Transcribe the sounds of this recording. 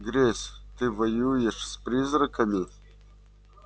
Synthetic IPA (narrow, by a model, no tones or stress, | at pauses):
ɡrʲest̪ɨvɐjujɛʂsprʲizrɨkʰɐmʲi